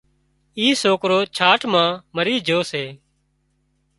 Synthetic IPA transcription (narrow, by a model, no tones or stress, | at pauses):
iːsoːkɾoːt͡ʃʰaːʈʰmãːməɾiːd͡ʒʱoːseː